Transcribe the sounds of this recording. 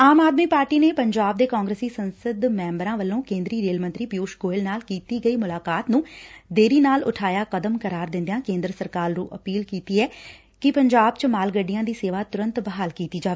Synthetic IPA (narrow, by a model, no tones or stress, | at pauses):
aːmaːd̪miːpaːɾʈiːneːpəɲd͡ʒaːb̚d̪eːkaːŋɡɾeːsiːsənsəd̪mɛ̃ːmbəɾãːʋəlːõːkẽːnd̪ɾiːɾeːlmə̃nt̪ɾiːpjuːʃɡoːɪlnaːlkiːt̪iːɡəiːmʊlaːkaːt̪nũːd̪eːɾiːnaːlʊ̰ʈʰaːjaːkəd̪əmkəɾaːɾd̪ɪ̃nd̪ejãːkẽːnd̪ɾəsəɾkaːɾɾũːʔəpiːlkiːt̪iːɛː | kɪpəɲd͡ʒaːbt͡ʃəmaːlɡəɖɪjãːd̪iːseːʋaːt̪ʊɾə̃nt̪bəɦaːlkiːt̪iːd͡ʒaːʋeː